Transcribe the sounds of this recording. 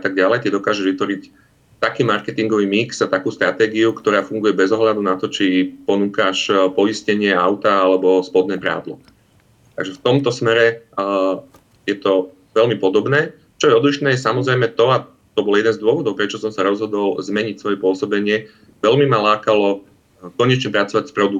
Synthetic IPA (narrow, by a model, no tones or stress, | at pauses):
at̪aɡ̚ɟalɛjt̪ɛd̪ɔkaːʒɛʒʋit̪ʋɔɾic | t̪akiːmaɾkɛt̪iŋɡɔʋiːmiksat̪akuːst̪ɾat̪ɛːɡiukt̪ɔɾaːfuŋɡujɛbɛzɔɦlad̪unat̪ɔt͡ʃipɔnuːkaʃpɔiscɛɲɪɛaʊt̪aalɛbɔspɔd̪nɛːpɾa̰ːd̪lɔ̰ | t̪a̰ɡʒɛft̪ɔmt̪ɔsmɛɾɛ | jɛt̪ɔ | ʋɛlmipɔd̪ɔbnɛː | t͡ʃɔjɛɔd̪liʃnɛːjɛsamɔzɾɛjmɛt̪ɔa | t̪ɔbɔljɛd̪ɛnzd̪ʊɔʋɔd̪ɔʊpɾɛt͡ʃɔsɔmsaɾɔzɦɔd̪ɔlzmɛɲicsʋɔjɛpʊɔsɔbɛɲɪɛ | ʋɛlmimalaːkalɔ | kɔɲɛt͡ʃɲɛpɾat͡sɔʋacspɾɔd̪uk